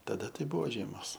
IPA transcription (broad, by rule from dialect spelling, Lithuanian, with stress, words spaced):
tɐˈdɐ ˈtɐɪ ˈbʊʋoː ˈʒʲiɛmoːs